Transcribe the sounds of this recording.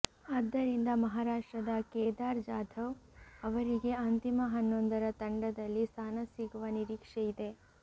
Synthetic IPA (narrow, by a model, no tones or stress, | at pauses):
ɐd̪ːɐɾind̪ɐmɐɦaːɾaːʂʈɾɐd̪ɐkeːd̪aːɾd͡ʒaːd̪ʱɐʋɐʋɐɾiɡe̞ɐnt̪imɐɦɐnːond̪ɐɾɐt̪ɐɳɖɐd̪ɐlːist̪ʰaːnɐsiɡuʋɐniɾiːkʂejid̪e̞